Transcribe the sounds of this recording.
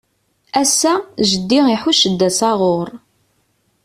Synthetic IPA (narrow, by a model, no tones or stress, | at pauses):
æsːæʒəd̪ːiiħuʃəd̪ːæsɑʁoɾˤ